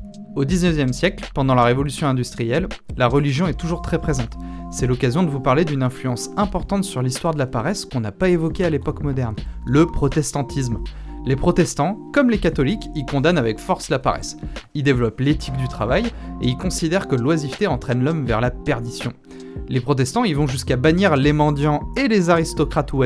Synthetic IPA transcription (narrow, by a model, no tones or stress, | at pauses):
od̪iznœvjɛmsjɛklpɑ̃d̪ɑ̃laʁevɔlysjɔ̃ɛ̃d̪yst̪χijɛlːaʁəliʒjɔ̃ɛt̪uʒuʁt̪χɛpχezɑ̃t̪ | sɛlɔkazjɔ̃d̪əvupaʁled̪ynɛ̃flyɑ̃sɛ̃pɔʁt̪ɑ̃t̪syʁlist̪waʁd̪əlapaʁɛskɔ̃napaevɔkʲealepɔkmɔd̪ɛʁnləpχɔt̪ɛst̪ɑ̃t̪ʰis̬m | lepχɔt̪ɛst̪ɑ̃kɔmlekat̪ɔlikilkɔ̃d̪anavɛkfɔʁslapa̰ʁɛ̰sild̪evlɔplet̪ʰikd̪yt̪χavajeilkɔ̃sid̪ɛʁkəlwazift̪eɑ̃t̪χɛnlɔmvɛʁlapɛʁd̪isjɔ̰̃ | lepχɔt̪̬ɛst̪ɑ̃ilvɔ̃ʒyskabaniʁlemɑ̃d̪jɑ̃elezaʁist̪ɔkχat̪uɛ